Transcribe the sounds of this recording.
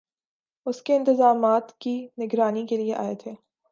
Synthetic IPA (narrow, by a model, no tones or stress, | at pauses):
ʊskeɪ̃nt̪ɪzaːmaːt̪kinɪɡɾaːnikelieʔa̰ːet̪ʰeː